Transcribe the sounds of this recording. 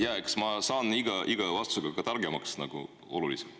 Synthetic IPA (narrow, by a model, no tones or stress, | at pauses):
jæeksmɑsɑːniɡ̥ɑʔiɡ̥ɑvɑst̪u̥seɡ̥ɑɡɑt̪ɑrɡemɑksnɑɡ̥ṵ | o̞̰lulisem